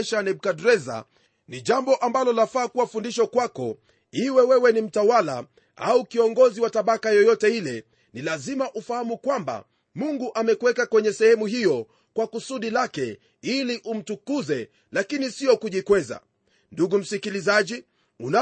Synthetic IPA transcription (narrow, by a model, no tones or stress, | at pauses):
ʃanɛɓ̚kadɾɛza̰ | niʄambɔʔambalɔlafaːkuwafundiʃakwakɔ | iwɛwɛwɛnim̩tawala̰ | a̰ukiɔŋɡɔziwataɓakajɔjɔtɛilɛ | nilazimaʔufahamukwamba̰ | muŋɡuʔamɛkwɛkakwɛɲɛsɛhɛmuɦijɔ | kwakusuɗilakɛ | iliʔum̩tukuzɛ | lakinisiɔkuʄikwɛza̰ | nduɡum̩sikilizaʄi | una